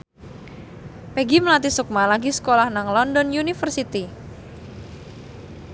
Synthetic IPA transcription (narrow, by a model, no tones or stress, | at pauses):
peɡiməlat̪isuk̚malaɡisə̥kolahnaŋlɔndɔnjunifərsit̪i